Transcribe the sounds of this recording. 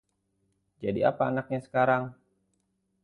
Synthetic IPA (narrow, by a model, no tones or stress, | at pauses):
d͡ʒadia̰paːnak̚ɲasə̥kaɾaŋ